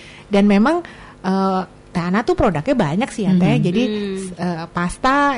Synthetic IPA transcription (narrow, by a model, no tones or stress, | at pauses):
danmemaŋ | ʔə | t̪aanat̪upɾodak̚ɲabaɲaksihjat̪ad͡ʒadiəpast̪a